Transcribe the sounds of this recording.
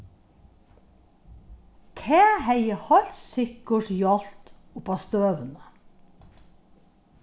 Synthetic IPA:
k̪ʰeːhæɪəhɑʎssʏkəʃjɑlt̪ | ʊpɑːst̪øːʋənə

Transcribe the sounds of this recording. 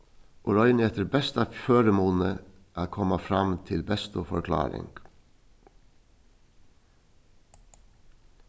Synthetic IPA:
ʔʊɾɔʏnɛt̪əɾbɛst̪ɑføːɾəmoːn̩ə | ʔæːkʰɔmɑfɾɑmt̪ʰɪlbɛst̪ʊfɔ̰ɾkʰlɑ̰ːɾɪ̰ŋɡ̥

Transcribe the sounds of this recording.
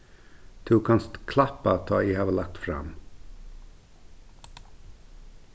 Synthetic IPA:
t̪ʰɪuːkʰɑnst̪kʰlɑpɑt̪ʰɑːiːhɑːʋəlɑk̚t̪fɾɑ̰m

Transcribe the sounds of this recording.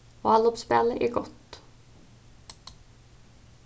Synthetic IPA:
oːɑlɔpspɛləʔḭːɡɔt̪

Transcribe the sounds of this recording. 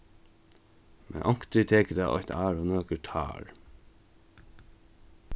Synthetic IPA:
mʔɛ̰nʔɔŋ̥kt̪ɪt̪ʰeːkəd̪aʔɔ̰çʲt̪ʰaːɹɔnøːkət̪ʰɑ̰ːɹ

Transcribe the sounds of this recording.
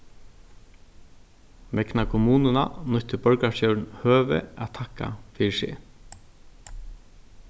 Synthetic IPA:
mɛknakʰʊmuːnɪnanʊçt̪ɪpœɹkaʂjœwnhøːʋɪ̰æ̰t̪ʰakːa̰fiːʂɪ̰

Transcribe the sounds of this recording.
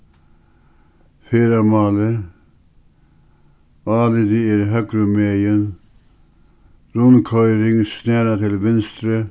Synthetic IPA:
feːɾamɑːlə | ɑːlɪd̪ɪɪɾɦœkɾʉmejən | ɾʊnkʰœʏɾɪŋsnæːɾat̪ʰɪlʋɛnst̪ɾə

